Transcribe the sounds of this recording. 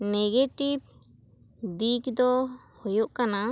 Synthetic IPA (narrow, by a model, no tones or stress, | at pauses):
nɛɡeʈib̚ | d̪ikd̪ɔ | hɔjɔʔkana